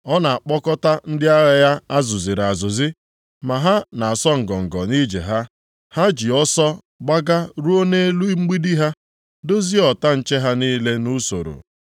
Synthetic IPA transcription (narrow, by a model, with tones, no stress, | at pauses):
ɔ˦na˨a˨k͡pɔ˦kɔ˦ta˦n̩˦dɪ˦a˦ɣa˨ja˦a˦zʊ˨zi˨ɾa˨zʊ˨zi˦ | ma˨ɦa˦na˨a˨sɔ˦ŋ̩˨ɡɔ˨ŋ̩˨ɡɔ˨ni˦d͡ʒḛ˨ɦa˦ | ha˦d͡ʒi˨ɔ˦sɔ˦ | ɡ͡ba˦ɡa˦ɾu˦o˦ne˦e˦lu˦i˦ŋ͡m̩˦ɡ͡bi˦di˦ɦa˦ | do˦zi˦ɔ˨ta˦n̩˦t͡ʃe˦ɦa˦niː˦le˦nu˦so̰˨ɾo̰˨